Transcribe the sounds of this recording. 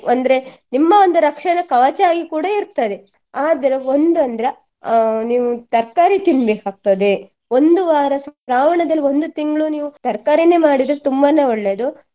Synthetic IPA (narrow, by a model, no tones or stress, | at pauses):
ɐnd̪ɐɾe̞nimːɐond̪uɾɐkʂɐnɐkɐʋɐt͡ʃaːɡikuːɽɐiɾt̪ɐd̪e | aːd̪ɐɾeo̞nd̪ɐnd̪ɐɾe | niːʋut̪ɐɾkaːɾit̪inbeːkaːk̚t̪ɐd̪e̞ | o̞nd̪uʋaːɾɐsɾaːʋɐɳɐd̪ɐlːio̞nd̪ut̪iŋɡɭuniːʋut̪ɐɾkaːɾine̞ːmaːɽid̪ɾet̪umbɐne̞ːoɭːe̞ːd̪u